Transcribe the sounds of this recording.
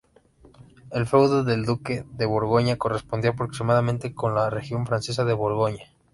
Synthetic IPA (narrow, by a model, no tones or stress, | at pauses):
e̞lfewðoðe̞ld̪uke̞ðe̞βo̞ɾɣo̞ɲako̞re̞spo̞nd̪ioapɾo̞ksimaðamẽnt̪e̞ko̞nlare̞xjo̞ɱfɾanses̬aðe̞βo̞ɾɣo̞ɲa